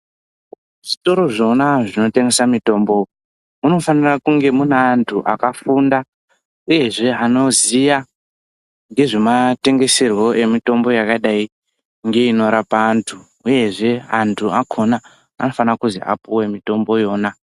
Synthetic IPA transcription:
ʐ̥ito̞ɾo̞ʐo̞naʐino̞teŋɡesamito̞ːmbo̞ | muno̞fanirakuŋɡe̞muneːntʰuʔa̰kafunda | uje̞ʐe̞ano̞zija | ŋɡe̞ʐe̞mate̞ŋɡe̞serwo̞ʔe̞mito̞mbo̞jakaɗai | ŋɡe̞ino̞ɾapaːntʰu | uje̞ʐe̞antʰuakʰo̞na | a̰no̞fanirakuzḭʔa̰puwe̞mito̞mbo̞jo̞ːna

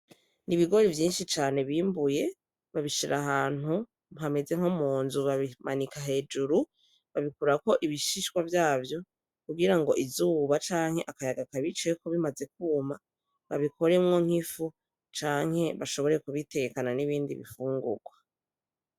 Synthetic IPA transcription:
niβiɡo̞ɾivjiːnʃit͡ʃaːne̞βiːmbuje̞ | βaβiʃiɾʔaɦaːn̥u | mɦame̞ze̞ŋ̥homuːnzuβaβimanikaɦe̞ːd͡ʒuɾu | βaβikuɾako̞ʔiβiʃiʃkwavjaːvjo | kuɡiɾaŋɡo̞ʔizuːβat͡ʃaːŋ̥he̞ʔakajaɡakaβit͡ʃekoβimaze̞kuma | βa̰βikʰo̞ɾe̞mŋo̞ŋ̥ifu | t͡ʃaːŋ̥he̞βaʃo̞βo̞ɾe̞kuβite̞ɡekananiβiːndḭβḭfuːŋɡṵɡ̥wa

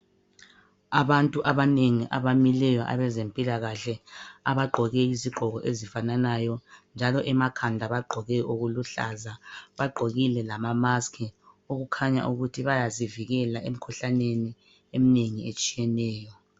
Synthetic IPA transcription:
aβantʼuʔaβaneŋiʔaβamilɛjɔʔa̰βɛzempʼilaɣaɬɛaβaɡ͡ǃʱɔɣɛiziɡ͡ǃʱɔɣɔʔezifananajɔnd͡ʒʱalɔʔɛmakʰandʱaβaɡ͡ǃʱɔɣɛʔoɣuluɬa̰zaβaɡ͡ǃʱoɣilɛlamamaskʰɛ | oɣukʰaɲa̰ʔuɣutʰiβajaziviɣɛlaʔem̩kʰuɬaneni | emineŋiet͡ʃʼijɛnɛːjɔ

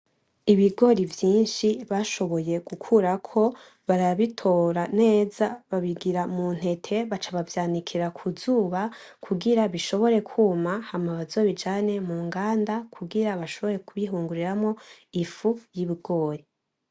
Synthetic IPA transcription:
iβiɡo̞ɾivjiːnʃiβaʃo̞βo̞je̞ɡ̥ukʰuɾakʰo̞ | βaɾaβitʰo̞ɾane̞ːzaβaβiɡiɾamun̥he̞tʰe̞βat͡ʃaβavjaːnikʰiɾakʰuzuːβa | kʰuɡiɾaβiʃo̞βo̞ɾe̞kʰuːmahamaβazo̞βid͡ʒaːne̞muːŋɡaːndakʰuɡiɾaβaʃo̞βo̞ɾe̞kuβiɦuːŋɡuɾiɾamŋo̞ifujiβiɡo̞ːɾi

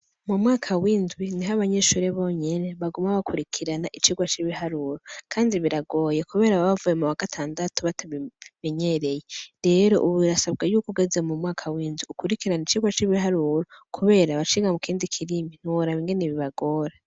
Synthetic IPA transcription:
mumwaːkʰawiːnzwiniɦaβaɲe̞ːʃuːɾeβo̞ɲe̞ne̞βaɡumaβakʰuɾikʰiɾanaʔit͡ʃiːɡwat͡ʃiβihaɾuɾokʰaːndiβiɾaɡo̞ːje̞kuβe̞ːɾaβaβavuje̞muwaɡatʰaːndatuβataβimeɲeɾe̞je̞ɾe̞ɾo̞̰ʔuβuiɾasab̚ɡajuːkuɡezemumŋaːkʰawiːnzwiukuɾikiɾanit͡ʃiɡwat͡ʃiβiɦaɾuːɾokʰuβe̞ːɾaβat͡ʃiɡamukʰiːndikʰiɾimin̥iwoɾaβiŋɡeneβiβaɡo̞ːɾa

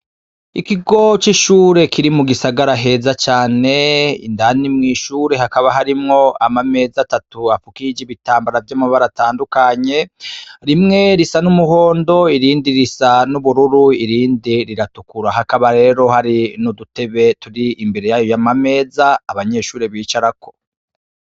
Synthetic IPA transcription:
ikiɡo̞t͡ʃiʃuːɾe̞kʰiɾimuɡisaɡaɾaɦe̞ːzat͡ʃaːne̞ḭndanimŋiːʃuːɾe̞ɦakaβaɦaɾimŋo̞amame̞ːzatatuafukid͡ʒiβitaːmbaɾavjamaβaɾataːndukaɲe̞ɾimŋe̞ɾisanumuho̞ːndo̞iɾiːndiɾisanuβuɾuɾuiɾiːndiɾiɾatukuɾaɦakaβaɾe̞ːɾo̞haɾinudute̞βe̞tuɾiimbe̞ɾe̞jajojamame̞ːzaːβaɲe̞ʃuːɾe̞βiːt͡ʃaɾakʰo̞

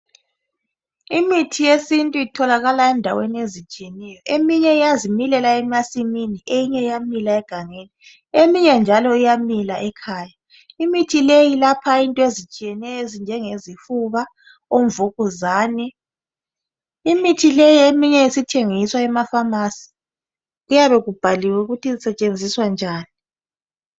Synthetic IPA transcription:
imitʰijesintʼuitʰɔlaɣalaɛndʱaweniezit͡ʃʼiɛnɛjɔʔemiɲɛijazimilɛlaɛmasiminiejiɲɛijamilaɛɡ̥ʱaŋeːni | emiɲɛnd͡ʒʱalɔijamilaʔɛkʰaːja | imitʰilejilapʰaintʼɔezit͡ʃʼijɛnɛjɔezind͡ʒʱɛŋezifuβa | oɱvuɣuzaːni | imitʰilejiemiɲɛisitʰeŋiswaɛmafamasi̥ | ɣujaβɛɣub̥ʱaliwɛuɣutʰizisɛt͡ʃʼend͡zʱiswand͡ʒʱaːni

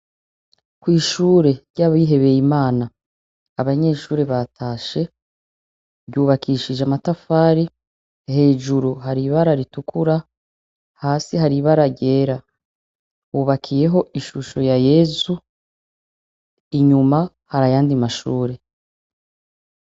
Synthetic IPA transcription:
kwiːʃuːɾe̞ɾɟaːβajiɦe̞βe̞jimaːnaː | βaɲe̞ːʃuːɾe̞βatʰaːʃe̞ | ɾɟuːβakʰiːʃid͡ʒeamatafaːɾi | he̞ːʒuɾuɦaɾiβaɾaɾitukʰuɾa | haːsihaɾiβaɾaɟe̞ːɾa | uβakʰije̞ɦo̞iʃuʃo̞jaje̞ːzu | iɲuma | haɾajaːndimaʃuːɾe̞

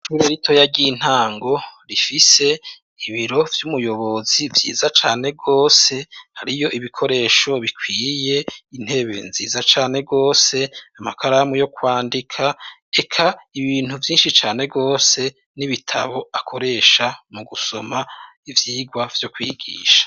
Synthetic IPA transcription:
ʃuɾeɾito̞jaɟin̥haːŋɡo̞ɾifise̞ | iβiɾo̞vjumujo̞βo̞zivjḭːzat͡ʃaːne̞ɡo̞ːse̞haɾijo̞ʔiβikʰo̞ɾe̞ːʃo̞βikʰwiːje̞in̥he̞βe̞̰nziːzat͡ʃaːne̞ɡo̞ːse̞amakʰaɾamujo̞kwaːndikʰae̞kʰaiβiːn̥uvjiːnʃit͡ʃaːne̞ɡo̞ːse̞ | niβitʰa̰βo̞akʰo̞ɾe̞ːʃamuɡuso̞ma | ivjiːɡwav̥jo̞kwiːɡḭːʃḁ

